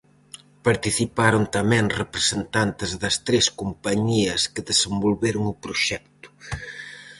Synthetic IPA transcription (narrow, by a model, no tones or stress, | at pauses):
paɾt̪iθipaɾʊnt̪ɐmɛ̃ŋrepɾesent̪ant̪ɪzðɐst̪ɾeskumpaɲiɐskɪðesembolβeɾʊŋʊpɾʊʃɛk̚t̪ʊ̥